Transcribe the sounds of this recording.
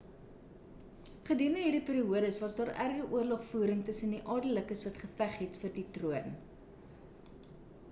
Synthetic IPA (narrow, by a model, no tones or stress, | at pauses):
χədiəndəɦirdipiːɾiuədəsvɐsdɑːrærɡəʔuərlɔχfuːɾəŋtəsəndiʔɑːrdələkəsvɐtχəfæχɦɛtfərditruən